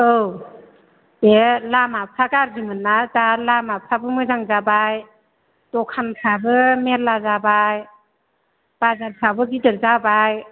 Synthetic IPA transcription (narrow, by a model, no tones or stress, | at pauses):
ɯw | elamapʰakaɾɡimɯnːazalamapʰabɯmɯzaŋzabaj | dɔkʰanpʰabɯmellazabaj | b̥azaɾpʰabɯɡidɯɾzabaj